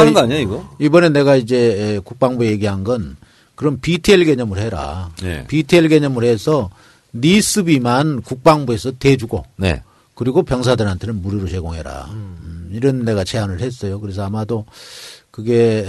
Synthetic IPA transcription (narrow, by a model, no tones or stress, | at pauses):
ɡʌaɲaiɡʌibʌne̞ne̞ɡaid͡ʑe̞kuk̚p͈aŋbuje̞ɡiɦanɡʌn | kɯɾʌmpitʰeeɭɡe̞ɲʌmɯɭheɾa̰ḛpitʰeɭɡe̞ɲʌmɯɭhe̞sʰʌ | nis͈ʰɯbimankuk̚p͈aŋbue̞sʰʌte̞d͡ʑuɡonḛ | kɯɾiɡopjʌŋs̬ʰadɯɾɦantʰe̞nɯnmuɾjiɾosʰe̞ɡoŋɦe̞ɾa̰ | iɾɯnːe̞ɡat͡ɕʰe̞ɦanɯɭhe̞s͈ʌjokɯɾes̬ʰʌamado | kɯɡe̞